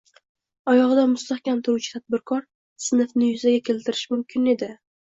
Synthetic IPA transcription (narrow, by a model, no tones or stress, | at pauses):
ɒjɒʁɨd̪amʊst̪ahkʲant̪ʰʊɾut͡ʃʰɪ̥t̪ʰad̪̚bɪɾkʰɒɾ | sɪnɨfnɪjʊzaɡʲakʲʰe̞lt̪ʰɪɾɪʃmʊmkʲʰɪne̞d̪ɪ